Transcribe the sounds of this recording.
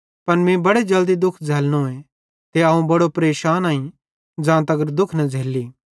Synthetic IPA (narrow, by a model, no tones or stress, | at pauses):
pɐnmĩbɐɽed͡ʒɐld̪id̪ʊkʰd͡zʱeːlnoẽ | t̪eɐːũbɐɽopɾeːʃaːnaːĩ | d͡ʒãːt̪ɐɡəɾd̪ʊkʰnɐd͡zʱeːlːiː